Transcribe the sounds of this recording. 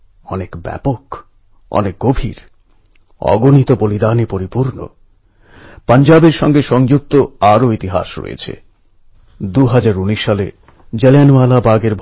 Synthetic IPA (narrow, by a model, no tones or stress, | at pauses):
ɔ̰nekbɛ̰pok | ɔ̰nek̚ɡobʱḭɾ | ɔ̰ɡonit̪obolid̪anipoɾipuɾno̰ | pand͡ʑabeɾʃɔ̰ŋɡeʃɔŋd͡ʑuk̚t̪oaɾoit̪iɦa̰ʃɾo̰jḛt͡ɕʰḛ | d̪uɦad͡ʑaɾuniʃːale | d͡ʑelenalabaɡeɾbʱ